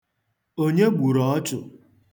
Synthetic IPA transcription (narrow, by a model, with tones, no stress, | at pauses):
o˦ɲe˦ɡ͡bu˨ɾɔ˨ɔ˦tʊ̰˨